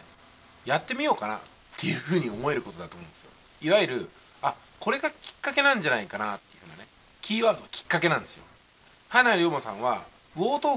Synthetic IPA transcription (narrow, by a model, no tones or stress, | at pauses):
jat̪ːe̞mʲijo̞ːkana̰ | t̪ːe̞jɯ̟ɸɯ̟ːɲ̟iomo̞e̞ɾɯ̟ko̞t̪o̞d̪at̪oːmõ̞d̪esɨjo̞̰ | iβaiɾɯ̟ | a | ko̞ɾe̞ɡakʲi̥kːake̞nãɲ̟d͡ʑanaikanat̪ːejiɯ̟hɯːnane̞ | kʲiːβaːɾd̪o̞akʲi̥kːake̞nãnd̪e̞sɨjo̞̰ | hanaɾʲoːmasã̰ɰ̃β̞a | ɯo̞ːt̪oː